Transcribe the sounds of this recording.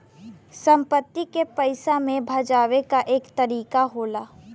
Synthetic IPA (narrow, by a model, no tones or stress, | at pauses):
sə̃mpət̪ːikepəɪsamẽbʱad͡ʒaːʋekaʔeːkt̪ɐɾiːkaɦoːlaː